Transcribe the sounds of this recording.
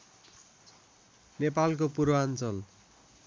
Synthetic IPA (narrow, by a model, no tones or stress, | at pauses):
nepalk̬opuɾoant͡sʌl